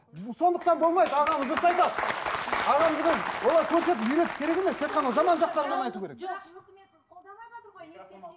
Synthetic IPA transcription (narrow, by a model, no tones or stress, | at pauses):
so̞nd̪əq̚t̪ɑnbo̞lˠmɑjd̪əɑʁɑməzəsɑjd̪ɑ | ɑʁɑmɪnɪnwo̞lˠɑjkʲʰɵɾse̞t̪ɪpʏjɾe̞t̪ɪ̥pkʲʰe̞ɾe̞ɡʲemest̪ʲʰe̞t̪̚qʰɑnɑʒɑmɑnʒɑq̚t̪ɑlˠʁɑnɑjt̪uwkʲeɾek